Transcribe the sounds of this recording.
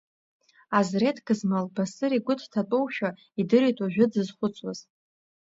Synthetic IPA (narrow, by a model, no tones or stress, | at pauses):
azretʰɡɨzmalbasɨɾiɡʷʊtʰtʰatʼowʃᶣa | idɨɾitʼaʒᶣʊdɨzχʷʊt͡sʼwaz̥